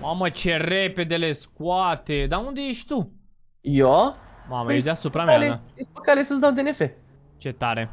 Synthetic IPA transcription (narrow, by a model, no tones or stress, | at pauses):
mamət͡ʃe̞repe̞d̪e̞le̞skwat̪ed̪aund̪e̞jeʃʲt̪u | jomaməjed̪easupɾamjaleaespokalesəsd̪awd̪enefe | t͡ʃe̞t̪aɾe